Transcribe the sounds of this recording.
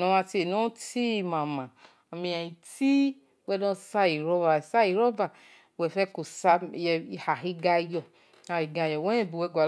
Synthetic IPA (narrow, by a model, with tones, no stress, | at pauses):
nɔ˧˦a˧te˨no˦ti˦˨mã˨mã˨ | o˨mĩ˨a˨i˨ti˦ | wɛ˦nɔ˦sa˦i˨ɾɔ˦va˨sa˦i˨ɾɔ˦ba˨ | wɛ˨fɛ˦ko˨sa˧˨jɛ˧i˨ha˨hi˦ɡa˧˦jɔ˧ | a˨hi˨ɡa˧jɔ˨wɛ˦ɛ˦˨bu˨wɛ˦ɡʷa˨